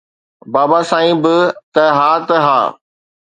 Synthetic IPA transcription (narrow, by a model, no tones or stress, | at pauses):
baːbasãːĩbɪt̪ɐɦaːt̪ɦa̰ː